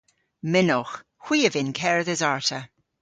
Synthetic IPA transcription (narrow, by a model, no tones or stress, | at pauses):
mɪnɔx | xw̥iːəvɪnkʰɛɹðɪzaɹtʰə